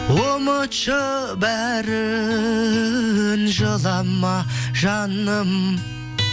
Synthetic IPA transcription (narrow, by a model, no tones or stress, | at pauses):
womət͡ʃə | bæɾɪ | nʒəlˠɑmːɑʒɑnəm